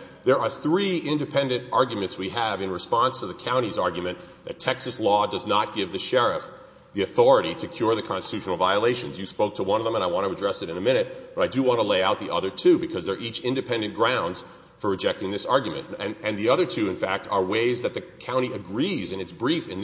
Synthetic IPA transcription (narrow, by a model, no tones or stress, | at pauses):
ðə˞ə˞θɹiɪ̃ndɨpʰɛ̃ndɨ̃ntɑɹɡjmɨ̃ntswiəvɨ̃nɹɨspɑ̃nstʰəðɨkʰãʊ̃ɾ̃izɑɹɡjɨmɨ̃n | ðɨtʰɛksɨslɔdʌznət̚ɡ̥ɪvðɨʃɛɹɨf | ðiɨθɔɹɨɾiɾɨkʰj̥ʊɹðɨkʰɑ̃nstɨ̥tʰʉʃnl̩ˠvaɪəleɪʃɨ̃nzjɨspoʊk̚tʰəwʌ̃nʌvðə̃mə̃naɪwɑ̃ñɨədɹɛsɨɾɨ̃nɨmɪ̃ñɨt̚b̥ʌɾaɪdɨwɑ̃nəleɪaʊt̪̚ðiʔʌðə˞tʰʉbɨkʰʌzðə˞ʔit͡ʃɪ̃ndɨpʰɛ̃ndɨ̃nɡ̥ɹãʊ̃ndz̥ | fə˞ɹɨd͡ʒɛk̚tɪ̃ŋðɪsɑɹɡjmɨ̰̃ñɨ̃nðiʌðə˞tʰʉɨ̃nfæk̚tʰə˞weɪzðɨt̪̚ðɨkʰãʊ̃ɾ̃iɨɡɹizɨ̃nɨtsb̥ɹifɨ̃n